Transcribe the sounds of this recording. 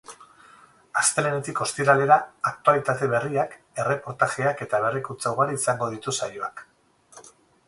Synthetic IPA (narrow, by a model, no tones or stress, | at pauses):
ast̪e̞le̞ne̞t̪iko̞st̪iɾale̞ɾaːk̚t̪ualit̪at̪e̞βe̞riak | e̞re̞po̞ɾt̪aɣeake̞t̪aβ̞e̞rikunt͡sawɣaɾiisaŋɡo̞ð̞it̪usajoak